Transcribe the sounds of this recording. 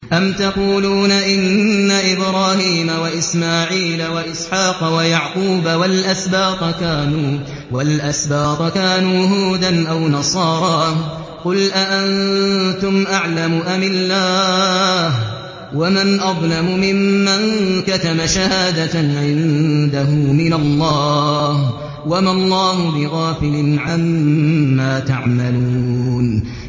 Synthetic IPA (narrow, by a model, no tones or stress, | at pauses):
ʔamt̪ɑquːluːnaʔɪnːaʔɪbɾɑːhiːmawaʔɪsmaːʕiːlawaʔɪsħɑːqɑwajaʕquːbawalʔasbaːq̪kaːnuː | walʔasbaːt̪ˤkaːnuːɦuːd̪anʔawnɑsˤɑːɾˤɑː | qʊlʔaʔant̪ʊmʔaʕlamʊʔamɪlːaːh | wamanʔɑðˤlɑmʊmɪmːaŋkat̪amaʃahaːd̪aʕɪnd̪aɦʊmɪnalˤːɑːh | wamalˤːɑːɦʊbɪɣaːfɪlɪnʕamː | aːt̪aʕmaluːn